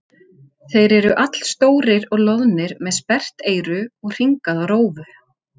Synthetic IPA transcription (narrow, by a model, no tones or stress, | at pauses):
θejɾɛɾʏʔat̪l̥st̪oːwɾɪɾɔɣlɔðnɪɾmɛðspɛr̥t̪eːjɾʏɔɣr̥iŋkaðawɾoːwvʏ